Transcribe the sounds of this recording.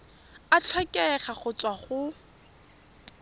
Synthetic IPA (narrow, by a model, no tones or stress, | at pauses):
at͡ɬʰwɛkʼɛχaχʊt͡sʼwaχʊ